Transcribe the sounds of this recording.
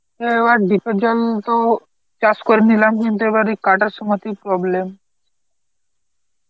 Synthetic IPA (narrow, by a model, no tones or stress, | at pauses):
eʋaʈ̚ɖʱikəd͡ʑalt̪ɔ | t͡ɕaskɔɾinilamkint̪ueʋaɾikaʈəɾsumət̪ipɾɔblem